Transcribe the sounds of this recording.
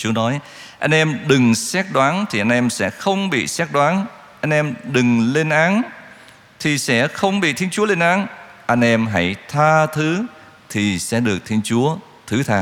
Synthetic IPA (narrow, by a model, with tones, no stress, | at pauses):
t͡ɕu˨˦ənɔ˨˦j | ʔa˧jn̟ʔɛ˧mɗɨ˨˩ŋsɛ˦˥t̚ɗwaː˨˦nt̪ʰi˨˩ʔa˧jn̟ʔɛ˧msɛ̰˧˥xə˧wŋ͡mɓḭ˧˨sɛ˦˥t̚ɗwaː˨˦n | ʔa˧jŋ̟ʔɛ˧mɗɨ˨˩ŋle˧nʔaː˨˦n | t̪ʰi˨˩sɛ̰˧˥xə˧wŋ͡mɓḭ˧˨t̪ʰi˧nt͡ɕu˨˦əle˧nʔaː˨˦nʔa˧jŋ̟ʔɛ˧mɦa˧˥jt̪ʰaː˧t̪ʰɨ˨˦ | t̪ʰi˨˩sɛ̰˧˥ɗɨ˨˩ək̚t̪ʰi˧ənt͡ɕu˨˦ə | t̪ʰɨ˨˦t̪ʰaː˧